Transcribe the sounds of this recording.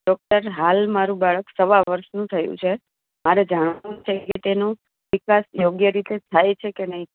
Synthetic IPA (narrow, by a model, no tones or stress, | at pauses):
ɖɔk̚ʈəɾɦalmaɾũbaɭəksəʋaʋəɾʃnũt̪ʰəjṵ̃t͡ʃʰe | maɾed͡ʒaɳ̃ʋanũt͡ʃʰeket̪eno | ʋɪkasjoɡjəɾit̪et̪ʰajt͡ʃʰekenəɦĩ